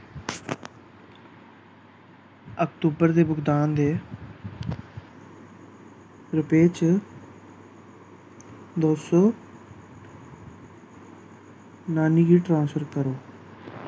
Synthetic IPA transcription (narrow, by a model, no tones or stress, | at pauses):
əkt̪uːbəɾd̪eːbʊɡd̪aːnd̪eː | ɾʊpeːt͡ʃ | d̪oːsoː | naːniːɡiːʈɾãːnsfʰəɾkəɾoː